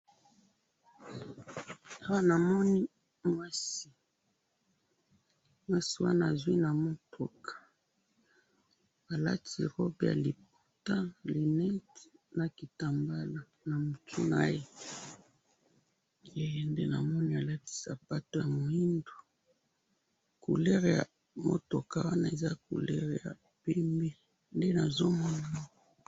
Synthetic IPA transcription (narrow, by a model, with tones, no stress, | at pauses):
a˦wa˦na˨mɔ˦ni˦ | mwa˦si˨ | mwa˦si˨wa̰˦naː˨zwi˦na˨mo˦tʰo˨kʰḁ˨ | a˨la̰˦ti˨ʁɔ˦bja̰˨li˨p̚u̥˦˨ta˦li˨nɛ˦tna˨ki˨ta˨mba˦la˨ | na˨mu˨tṵ˦na˦je˦ | e˦˨nde˦na̰˨mɔ˦ni˦a˨la˦ti̥˨sa˨pa˦to˨ja˨mu˨i˦ndo˨ | kṵ˨lɛ˦ʁja̰˨ | mo̰˦to˨ka˨wa˦na˦e˨za˦kṵ˨lɛ̰˦ʁe˨ja̰˨ | pe˦mbe˦ | nde˦na˨zo˦mɔ˦na˨mɔ˦kɔ˨